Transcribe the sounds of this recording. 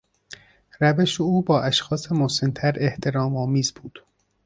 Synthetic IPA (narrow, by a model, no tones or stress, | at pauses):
ɾæveʃeuːbɒːʔæʃxɒːsemosent̪ʰæɾe̞ht̪ʰe̞ɾɒːmɒːmiːzbuːd̪̥